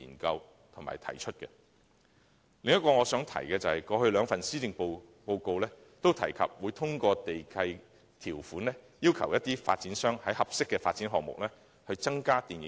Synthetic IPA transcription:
ḭː˨˩nkɐ˧w | t̪ʰʊ˨˩ma̰˨˩jt̪ʰɐ˨˩jt͡ʃʰɵ˥t̚kɛ̰˧ | lɪ˨ŋjɐ˥t̚kɔː˧ŋɔː˨˧sœː˨˥ŋt̪ʰɐ̰˨˩jkɛː˧t͡sɐ˨hɐ˨jkɔː˧hɵ˧ɥlœː˨˧ŋfɐ˨nsiː˥tɪ˧ŋpo˧ | po˧wko˧wlɛː˥ | t̪o˥wt̪ʰɐ˨˩jkʰɐ̰˨p̚wuː˨˧jt̪ʰʊ˥ŋkɔː˧t̪e˨jkʰɐ˧j | t̪ʰiː˨˩wfuː˨˥nlɛ˥jiː˥wkʰɐ̰˨˩wjɐ˥t̪iː˥fa̰˧t̚t͡siː˨˥nsœː˥ŋhɐ˨˥jhɐ˨p̚sɪ˥kːɛː˧faː˧t̚t͡siː˨˥nɦɔː˨k̚mʊ̰˨k̚lɛː˥ | hɵ˧ɥt͡sɐ˥ŋkaː˥t̪iː˨njɪ˨˦

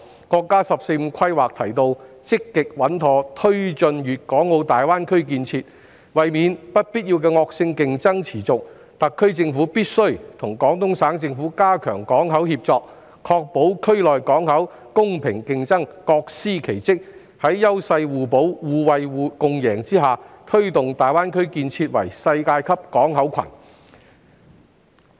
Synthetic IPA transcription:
kɔː˧kːaː˥sɐ˨p̚se˧jm̩˨˧kʰɐ˥jwaː˨k̚t̪ʰɐ˨˩jt̪o˧w | t͡sɪ˥kːɪ˨k̚wɐ˨˥nt̪ʰɔː˧t̪ʰɵ˥ɥt͡ʃɵ˧njyː˨t̚kɔː˨˥ŋːo˧wt̪aː˨jwaː˥nkʰɵ˥ɥk̬iː˧nt͡sʰiː˧t̚ | wɐ˨jmiː˨˧npɐ˥t̚piː˥t̚jiː˧wkɛː˧ŋɔː˧k̚sɪ˧ŋkɪ˨ŋt͡sɐ˥ŋt͡sʰiː˨˩t͡sʊ˨k̚ | t̪ɐ˨kʰːɥt͡sɪ˧ŋfuː˨˥piː˥t̚sɵ˥ɥt̪ʰʊ˨˩ŋkɔː˨˥ŋt̪ʊ˥ŋsaː˨˥ŋt͡sɪ˧ŋfuː˨˥kaː˥kʰœː˨˩ŋkɔː˨˥ŋɦɐ˨˥whiː˧p̚t͡sɔː˧k̚ | kʰɔː˧k̚po˨˥wkʰɵ˥ɥlɔː˨jkɔː˨˥ŋhɐ˨˥w | kʊ˥ŋpʰɪ˨˩ŋkɪ˨˧ŋt͡sɐ˥ŋkɔː˧k̚siː˥kʰe˨˩jt͡sɪ˥k̚ | hɐ˨˥jːɐ˥wsɐ˧jwuː˨po˨˥wwuː˨wɐ˨jwuː˨˧kʊ˨˧ŋjɛː˨˩ŋt͡siː˥ɦaː˨t̪ʰɵ˥ɥt̪ʊ˨ŋt̪aː˨˩jwaː˥nkʰɵ˥ɥkiː˧nt͡sʰiː˧t̚wɐ̰˨˩jsɐ˧jkaː˧jkʰɐ˥p̚kɔː˨˥ŋɦɐ˨˥wkʰɐ̰˨˩n

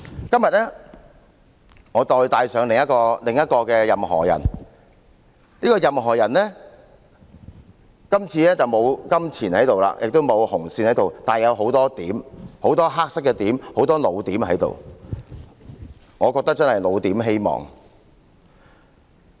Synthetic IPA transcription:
kɐ˥mjɐ˨t̚ɛː˥ | ŋɔː˨˧t̪ɔː˨˧jt̪aː˧jsœː˨˧˥ŋlɪ˨ŋjɐ˥kɔː˧lɪ˨ŋjɐ˥t̚kɔː˧kɛː˧jɐ˨mɦɔ̰ː˨˩jɐ̰˨˩n | niː˥kɔː˧jɐ˨mɦɔː˨˩jɐ˨˩nlɛː˥ | kɐ˥mt͡sʰiː˧lɛː˥t͡sɐ˨wmo˨˧wkɐ˥mt͡sʰiː˨˩nhɐ˨˥jt̪o˨wla̰ː˧˥jʔɪ˨k̚t̪o˥wmo˨˧whʊ˨˩ŋsiː˧nhɐ˨˥jt̪o˨wt̪aː˨˩njɐ˨˧wɦo˨˥wt̪ɔː˥t̪iː˨˥mho˨˥wt̪ɔː˥ɦaː˥k̚sɪ˥kːɛ˧t̪iː˨˥mho˨˥wt̪ɔː˥lo˨˧wt̪iː˨˥mhɐ˨˥jt̪o̰˨˩w | ŋɔː˨˧kɔː˧k̚t̪ɐ˥k̚t͡sɐ˥nhɐ˨jlo˨˧wt̪iː˨˥mɦe˥jmɔ̰ː˨˩ŋ

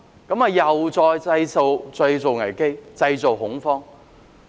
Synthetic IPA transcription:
kɐ˨˥mɐ˨˩jɐ˨wt͡sɔː˧jt͡sɐ˧jso˨˧wt͡sɵ˧jt͡so˨wŋɐ˨˩jke˥jt͡sɐ˧jt͡so˨˩wɦʊ˨˥ŋfɔː˥ŋ

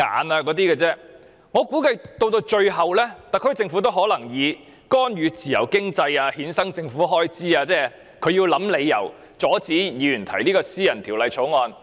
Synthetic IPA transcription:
ŋa̰ː˨naː˧kɔː˨˥t̪̬iː˥kɛː˧t͡sɛː˥ | ŋɔː˨˧kuː˨˥kɐ˧jt̪o˧wt̪o˧wt͡ʃɵ˧ɥɦɐ˨wlɛː˥t̪a˨kʰɵ˥t͡sɪ˧ŋfu˨˥t̪o˥wɦɔː˨˥lɐ˨˩ŋjiː˨˧ | kɔː˥njyː˨˧t͡sʰiː˨˩jɐ̰˨˩wkɪ˥ŋt͡sɐ˧jaː˧hiː˨˥nsɐ˥ŋt͡sɪ˧ŋfuː˨˥ɦɔː˥jt͡siː˥aː˧t͡sɛː˥˩ | kʰɵ˨˧ɥjiː˧wlɐ˨˥mle˨˧jːɐ̰˨˩w | t͡sɔː˨˥t͡siː˨˥jiː˨˧y˨˩nt̪ʰɐ̰˨˩jliː˥kɔː˧siː˥jɐ˨˩nt̪ʰiː˨˩wlɐ˨˧jt͡ʃʰo˨˥ŋɔː˧n

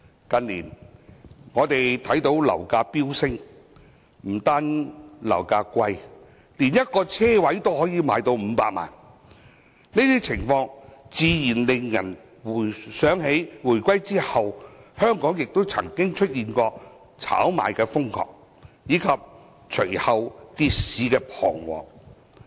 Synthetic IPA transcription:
kɐ˧nliː˨˩n | ŋɔː˨˧t̪e˨jt̪ʰɐ˨˥jt̪o˨˥wlɐ̰˨˩wkaː˧piː˥wsɪ˥ŋ | m̩˨˩t̪aː˥nlɐ̰˨˩wkaː˧kʷɐ˧j | liː˨˩njɐ˥t̚kɔː˧t͡sʰɛː˥wɐ˨˥jt̪o˥whɔː˨˥jiː˨˧maː˨˧jt̪o˧wm̩˨˧pa̰ː˧t̚ma̰ː˨˩n | ni˥t̪iː˥t͡sʰɪ˨˩ŋfɔː˧ŋt͡siː˨˧jiː˨˩nlɪ˨ŋjɐ˨˩n | wu˨˩sœː˨˥ŋɦe˨˥jwuː˨˩jkʷɐ˥jt͡siː˥hɐ˨whœː˥ŋkɔː˨˥ŋjɪ˨k̚t̪o˥wt͡sʰɐ˨˩ŋkɪ˥ŋt͡ʃʰɵ˥t̚jiː˨nkɔː˧ | t͡sʰa̰ː˨˥wma̰ː˨jkɛː˧fʊ˥ŋkʰɔ̰ː˨k̚ | jiː˨˥kʰɐ˨p̚ | t͡ʃʰɵ˨˩jhɐ˨wt̪i˨t̚siː˨˧˥kɛː˧pʰɔ̰ː˨˩ŋwɔ̰ː˨ŋ

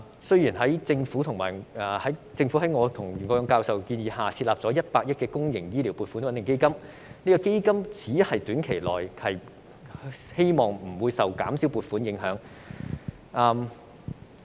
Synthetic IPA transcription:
sɵ˥ɥjiː˨˩nɦɐ˨˥jt͡sɪ˧ŋfu˨˥t̪ʰʊ˨˩ŋmaː˨˩jːhɐ˨˥jt͡sɪ˧ŋfuː˨˥ɦɐ˨˥jŋɔː˨˧t̪ʰʊ˨˩ŋ˨˩ŋɔː˧jɔ˧ŋkaː˧wsɐ˨wkiː˧njiː˧ɦaː˨t͡sʰi˧t̚laː˨p̚t͡sɔː˨˥jɐ˥t̚paː˧k̚jɐ˥t̚kɛː˧kʊ˥ŋjɪ˨˩ŋjiː˥li˨˩wpuː˨˧t̚fu˨˥nwɐ˨˦nt̪ɪ˨ŋke˥jkɐ˥m | niː˥kɔː˧ke˥jkɐ˥mt͡siː˨˥hɐ˨jt̪yː˨˥nkʰe˨˩jlɔː˨˩jhɐ˨j | he˥jmɔː˨ŋm̩˨˩wuː˨˧jsɐ˨wkaː˨˥msi˨˥wpuː˧t̚fuː˨˥njɪ˨˥ŋɦœː˨˥ŋ | ʔɐː˧m

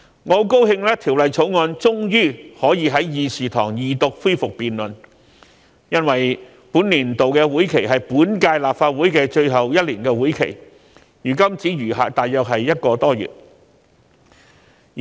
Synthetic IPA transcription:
ŋɔː˨˧ko˥whɪ˧ŋlɛː˥t̪ʰiː˨˩wlɐ˨jt͡ʃʰo˨˥wŋɔː˧nt͡sʊ˥ŋjyː˥hɔː˨˥jiː˨˧ɦɐ˨˥jjiː˨˧siː˨t̪ʰɔ̰ː˨˩ŋjiː˨t̪ʊ˨k̚fuː˥jfʊ˨k̚piː˨nlɵ˨˩n | jɐ˥nwɐ˨˩j | puː˨˥nliː˨˩nt̪o˨wkɛː˧wuː˨˥jkʰe˨˩jɦɐ˨jpuː˨˥nkaː˧jlaː˨p̚faː˧t̚wuː˨˥jkɛː˧t͡ʃɵ˧ɥɦɐ˨wjɐ˥t̚liː˨˩nkɛː˧wuː˨˥jkʰḛ˨˩j | jyː˨˩kɐ˥mt͡siː˨˥jyː˨˩ɦa̰ː˨t̪aː˨jœː˨k̚ɦɐ˨jjɐ˥t̚kɔː˧t̪ɔː˥jy̰ː˨t̚

